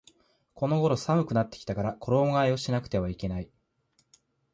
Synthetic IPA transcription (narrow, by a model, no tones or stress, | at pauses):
kʰo̞no̞ɡo̞ɾo̞samɯ̟kɯ̟nat̪ːekʲi̥t̪akaɾakʰoɾo̞ːɡaio̞ɕinakɯ̟t̪e̞β̞aike̞nai